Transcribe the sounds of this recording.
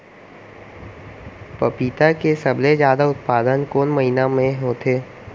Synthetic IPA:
pɐpiːt̪akesɐblezjaːd̪aʊt̪̚paːd̪ənkoːnmɐɦinamẽɦoːt̪ʰeː

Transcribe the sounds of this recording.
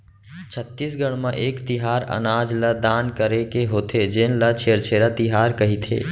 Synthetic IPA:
t͡ʃʰət̪ːiːsɡəɽ̃mãʔeːkt̪ɪɦaːɾə̰naːd͡ʒləd̪aːnkəɾekeɦoːt̪ʰed͡ʒɪnlət͡ʃʰeːɾt͡ʃʰeːɾat̪ɪɦaːɾkɐɦit̪ʰḛː

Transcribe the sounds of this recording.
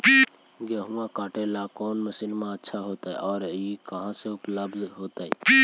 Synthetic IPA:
ɡeɦũãkaːʈelakɔːnməsinmãətːʃʰaɦoːt̪aɛʔɔːɾikəɦãseʊpləbzɦoːt̪aɛ

